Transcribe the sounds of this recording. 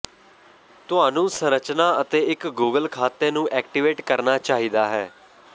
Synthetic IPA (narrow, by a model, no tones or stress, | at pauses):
t̪ʊaːnũːsə̃ɾət͡ʃnaːət̪eːɪkɡuːɡəlkʰaːt̪eːnũːʔɛːk̚ʈiʋeːʈkəɾnaːt͡ʃaːɦiːd̪aːɦɛː